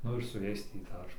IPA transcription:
ˈnʊ ɪr sʊ ˈjɛɪs ˈtʲiː ˈdɐr

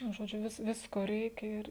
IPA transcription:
nʊ ˈʒoːd͡ʒʲʊ ˈʋʲɪs ˈʋʲɪskoː ˈrʲɛɪkʲɛ ˈɪr

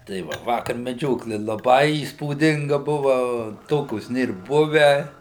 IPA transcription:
tɐɪ ˈʋɐ ˈʋɑːkɐr mʲɛˈd͡ʒʲoːklʲɪ lˠɐˈbɐɪ iːspuːˈdʲɪŋɡɐ ˈbʊʋɐ ˈtoːkʲoːs ˈnʲeːr ˈbʊʋʲæː

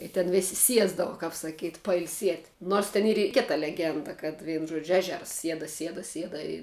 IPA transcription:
ɪ tʲɛn ˈʋʲeːsʲɪ ˈsʲiɛzdɐʋɐ kɐp sɐˈkʲiːtʲ pɐɪlʲˈsʲiɛtʲ noːrs tʲɛn ˈiːr ɪ ˈkʲɪtɐ lʲɛˈɡʲɛndɐ kɐt ˈʋʲiɛnʊ ˈʒuɔd͡ʒʲʊ ˈæːʒʲɛrs ˈsʲiɛdɐ ˈsʲiɛdɐ ˈsʲiɛdɐ ɪ

